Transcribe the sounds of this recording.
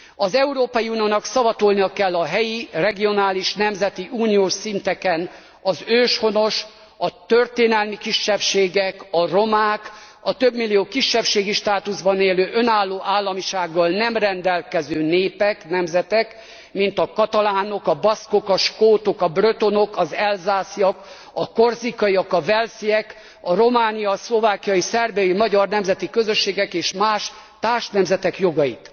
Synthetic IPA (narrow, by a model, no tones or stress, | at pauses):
ɒzɛuɾoːpɒjiuːnijoːnɒksɒvɒt̪olnijɒkɛlːɒɦɛjirɛɡio̞naːliʃnɛmzɛt̪iʔuːnijoːʃsint̪ɛkɛn | ɒzøːʃho̞no̞ʃ | ɒt̪ø̞rt̪eːnɛlmikiʃːɛpʃeːɡɛkɒro̞maːk | ɒt̪ø̞bmilːijoːkiʃːɛpʃeːɡiʃt̪aːt̪uzbɒneːløːʔø̞naːlːoːʔaːlːɒmiʃaːɡːɒlnɛmrɛnd̪ɛlkɛzøːneːpɛknɛmzɛt̪ɛk | mint̪ɒkɒt̪ɒlaːno̞kɒbɒsko̞kɒʃkoːt̪o̞kɒbrøt̪o̞no̞kɒzɛlzaːsijɒk | ɒkorzikɒiɒkɒvɛlsiɛk | ɒro̞maːnijɒslo̞vaːkijɒjisɛrbɛjimɒɟɒrnɛmzɛt̪ikø̞zø̞ʃːeːɡɛkeːʃmaːʃ | t̪aːrʃnɛmzɛt̪ɛkjo̞ɡɒjit̪